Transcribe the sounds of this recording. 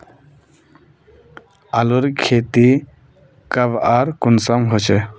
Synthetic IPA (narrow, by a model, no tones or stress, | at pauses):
aluɾkʰet̪i | kabaɾkunsɔmɦot͡ʃʰe